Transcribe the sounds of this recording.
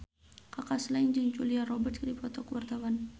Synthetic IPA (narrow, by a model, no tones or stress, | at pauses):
kakasland͡ʒaŋd͡ʒuliarɔbərt̪̚kɾipɔt̪ɔkwart̪awan